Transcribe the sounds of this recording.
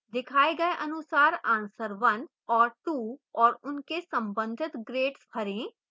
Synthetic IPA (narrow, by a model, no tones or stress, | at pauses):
d̪ɪkʰaːeɡɐeʔɐnʊsaːɾãːnsəɾʋɐ̃n | ɔːɾt̪uːɔːɾʊnkesɐ̃mbə̃nd̪ʱɪt̪ɡɾeːʈspʰɐɾẽː